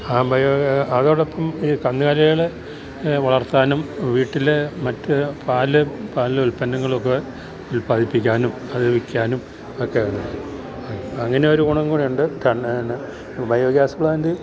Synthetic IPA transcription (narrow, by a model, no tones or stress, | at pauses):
aːbʱɐjoːɐðoɭepːɐmiːkɐnd̪ɨkaɾɐjiɭe | ʋɐɭɐrt̪ːaːnumʋiːʈːilemɐtːɨpʰaːlɨpaːllulpɐnːɐŋːɐɭo̞kːe | ulpaːðipːikʲːaːnum | ɐðɨʋikʲːaːnum | okːeɐɳːɨ | ɐŋːɐne̞o̞ɾukuɳɐŋɡuɳiuɳɖɨt̪ʰɐɳɳɨ | bʱɐjoːɡjaːsɐbɭaːnd̪ɨ